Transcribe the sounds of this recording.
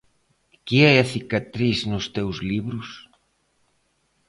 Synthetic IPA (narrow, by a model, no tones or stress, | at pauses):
keɛɐθikat̪ɾisnʊst̪ewzliβɾʊs